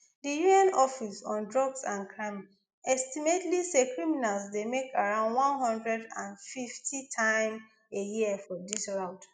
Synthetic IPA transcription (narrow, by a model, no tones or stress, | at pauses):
dijuɛ̃nɔfisɔ̃ndɹɔɡsãnkʰɹam | ʔɛstimetlisekɹiminalsdemekʰaɹãʊ̃ndwɔ̃nɦɔ̃ndɹɛdãnfiftʰitʰãɪ̃m | ejiɛfɔdisɹaʊt